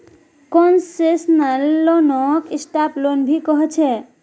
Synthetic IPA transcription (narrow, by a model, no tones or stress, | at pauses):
kɔnsesnəlːonɔkisʈaplonbʱikɔɦt͡ʃʰɛ